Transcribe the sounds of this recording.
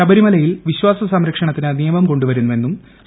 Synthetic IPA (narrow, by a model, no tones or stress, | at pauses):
ɐbɐɾimɐlɐjilʋiɕwaːsɐsɐmɾɐkʂɐɳɐt̪ːinɨnijɐmɐmko̞ɳɖuʋɐɾunːuʋe̞nːum | s